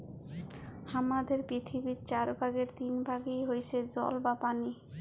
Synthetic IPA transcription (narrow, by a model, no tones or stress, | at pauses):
hamad̪eɾpɾit̪ʰibiɾt͡ɕaɾbʱaɡeɾt̪inbʱaɡijɦojt͡ɕʰed͡ʑɔ̰lbapani